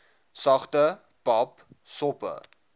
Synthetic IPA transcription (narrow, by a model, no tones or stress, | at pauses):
sɐχtə | pɐp | sɔpə̰